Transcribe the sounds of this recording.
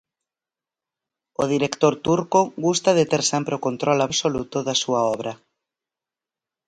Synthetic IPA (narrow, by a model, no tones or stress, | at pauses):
oðiɾekt̪oɾt̪uɾkoɣust̪aðet̪eɾsɛmpɾeokont̪ɾɔlaβsolut̪oðasuaɔβɾa